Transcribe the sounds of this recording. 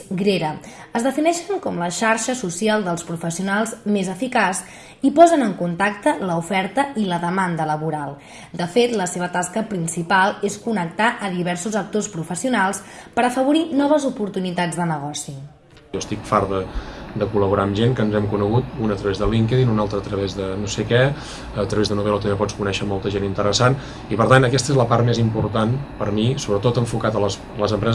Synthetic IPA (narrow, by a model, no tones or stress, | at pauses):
ɡɾeɾə | əzðəfinɛʃəŋkɔmləʃaɾʃəsusialˠd̪əlˠspɾufəsiunalˠzmezəfikas | ipɔzənəŋkunt̪akt̪ələufɛɾt̪əiləðəmand̪ələβuɾalˠ | d̪əfet̪ləseβət̪askəpɾinsipalˠeskunək̚t̪aʔəðiβɛɾsuzək̚t̪ospɾufəsiunalˠspəɾəfəβuɾinɔβəzupuɾt̪unit̪ad͡zd̪ənəɣɔsi | ɔəst̪ikfaɾðəd̪əkuləβuɾaəmʒenkənzɛmkunəɣut̪̚unət̪ɾəβezðəliŋkəðinunalˠt̪ɾəːt̪ɾəβezðənosekɛ | ət̪ɾəβezðənuβɛlət̪əmbepɔt͡skunɛʃəmɔlˠt̪əʒenint̪əɾəsan | ipəɾt̪anəkɛst̪əezləpaɾrt̪mezimpuɾt̪anpəɾmisoβɾət̪ot̪əɱfukat̪ələs | ləzəmpɾɛ